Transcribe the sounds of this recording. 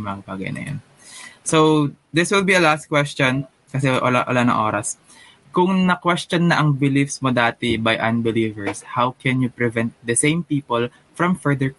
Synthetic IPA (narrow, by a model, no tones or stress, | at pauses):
mɐba̰ːɡɐ̰jnɐ̰jo̰n | sowd̪ɪswɪlbiɐlast̪̚kwɛst͡ʃɔn | kɐsɛʔo̰la̰ʔɐ̰lanɐ̰ŋʔoːɾɐs | kʊŋnɐkwɛst͡ʃɔnːɐʔɐŋbɪlifsmod̪aːt̪ɛbɐjʔɐ̰̃nbɪliːvɛɹshawkɛnjʊpɹɛvɛ̃nt̪̚d̪ɐsẽjmpiːpol | fɹɐ̃mfɛɹd̪ɛɹ